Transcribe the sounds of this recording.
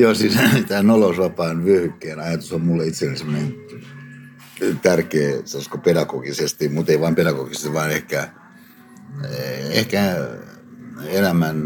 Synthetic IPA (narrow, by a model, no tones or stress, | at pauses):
joːsiːnt̪æːnolousʋɑpɑːnʋyøhykːeːnɑjɑt̪usommulːeit̪selːesemːonen | t̪ærkeːseskopedɑkoɡ̥isest̪imut̪eiʋɑːmpedɑkoɡisest̪iʋɑːnehkæ | ehkæ | elæmæn